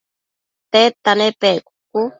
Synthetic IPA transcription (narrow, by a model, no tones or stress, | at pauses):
t̪et̪anepeku̥k̚u